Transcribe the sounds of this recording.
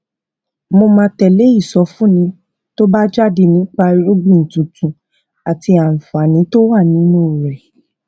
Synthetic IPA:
mo˧mãː˧tɛ˨le˨˦i˦˨sɔ˧fũ˦nĩ˧˦ | to˦ba˦d͡ʒa˦de˧nĩ˨˦k͡pa˧i˧ɾu˦ɡ͡bĩ˦˨n̩˨tũ˨tũ˨ | a˨ti˧a˨m̩˨fa˨nĩ˨˦to˦wa˦˨nĩ˨˦nũ˦˨ɾɛ˨

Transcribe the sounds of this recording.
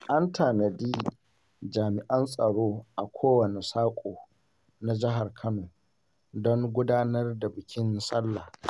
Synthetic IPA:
ʔa˦ntʰaː˨nɐ˨diː˦ | d͡ʒaː˨mɪ˨ʔɐ˦nsʼɐ˨ɽoː˦ʔa˨kʷʰoː˦wɐ˨ne˨saː˦kʷʼoː˨ | na˨d͡ʒɪ˦ɦa˨rkʰɐ˦noː˨ | dɔ˦ŋɡʷʊ˦daː˦nɐ˦rda˨bɪ˨kʲɪ˦n˦sɐ˦lːa̰ː˨

